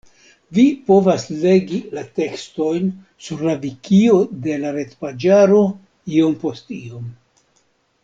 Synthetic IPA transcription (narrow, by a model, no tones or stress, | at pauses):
vipo̞vasle̞ɡilate̞ksto̞jn | suɾlavikio̞de̞laɾe̞tpad͡ʒaɾo̞ | io̞mpo̞stio̞m